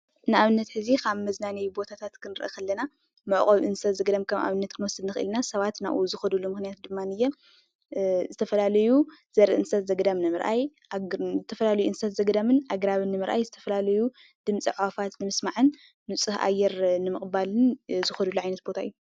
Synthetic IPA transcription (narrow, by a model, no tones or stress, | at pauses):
nɨʔaβɨnːɐt̪ħɨzikʰaβmɐznanɐjbo̞t̪ʰat̪ʰat̪kʰɨnɨɾʔɐ̰kɐlːɐna | mɨʕχʼoβʔɨnsɐt̪zɐɡɐd̪amkʰɐma̰βɨnːɐt̪kʰɨnwɔsɨd̪nɨxɨʔɨ̰lnasɐβat̪na̰ʔuzɨxɐd̪ulːumɨxnijat̪̚d̪ɨmːanɨjːɛ | zɨt̪ʰɐfɐlalɐjuz̥ɐɾɨʔɨnsɐt̪zɐɡɐd̪amnɨmɨɾʔa̰j | zɨt̪ʰɐfɐlalɐjuɨnsɐt̪zɐɡd̪amɨnʔaɡɾaβɨnːɨmɨɾʔa̰jzɨt̪ʰɐfɐlalɐju | d̪̥ɨmt͡sʼiʕwafat̪nɨmɨsmaʕɨnː | ut͡sʼɨha̰jːɛɾnɨmɨχʼbalɨnzɨxɐd̪ulːuʕajnɐt̪̚bo̞t̪ʰaɨjːu